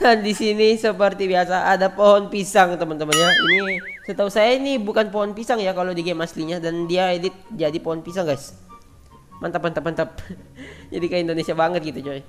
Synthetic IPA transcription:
ɡandisinisəpərt̪ibiasaadapoɦɔnpisaŋt̪əmənt̪əmənijainisət̪ausajainibukanpoɦɔnpisaŋjakalodiɡemasliɲadandiaedɪt̪̚d͡ʒadipoɦɔnpisaŋɡajs | mant̪apːant̪əpant̪əp̚d͡ʒadikaindonesiabaŋət̪̚ɡit̪ut͡ʃoɛ

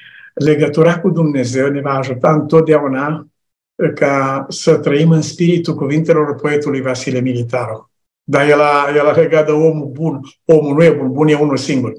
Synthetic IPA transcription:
le̞ɡət̪uɾakud̪umne̞ze̞wne̞vaːʒut̪aɨnt̪ot̪̚d̪eauna | kasət̪ɾəimɨnspiɾit̪ulkuvint̪e̞lo̞rpo̞e̞t̪ulujvasilemilit̪aɾu | d̪ajelajelaleɡat̪̚d̪əo̞mubuno̞mulnujebunbunje̞unulsiŋɡurʲ

